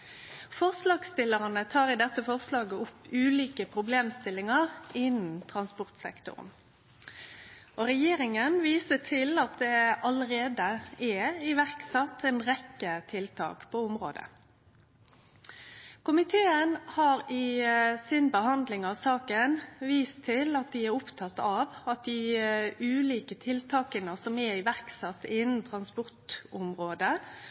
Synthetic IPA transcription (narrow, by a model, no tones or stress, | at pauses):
fɔʁslɑːɡst̪ɪləʁənət̪ʰɑːʁɪd̪ɛt̪ːəfɔʁslɑːɡəʊpːʉːliːkəpʰʁʊbleːmst̪ɪlːɪŋɑʁɪnn̩t̪ʰʁɑnspʊʁt̪sɛ̰kt̪ʊ̰ʁ̰n | ʔɔɾɛjeːɾɪŋənʋiːsəʈʰɪlɑt̪̚d̪ɛɑləɾeːd̪əɛɪʋæʁksɑt̪ʰːɛnʁɛkːət̪ʰɪlt̪ʰɑ̰ːkpʰɔʊmʁo̰ːd̪ə̰ | kʰʊmɪt̪ʰeːənhɑːɾɪsɪnbəhɑnd̪lɪŋɑʋsɑːkənʋiːst̪ʰɪlɑt̪̚d̪ɪɛɾʊpt̪ʰɑt̪ːɑʋɑt̪̚d̪ɪʉːliːkət̪ʰɪlt̪ʰɑːkənəsɔmɛɪʋæʁksɑt̪ːɪnn̩t̪ʰɾɑnspʊʁt̪ʊmɾoːd̪ə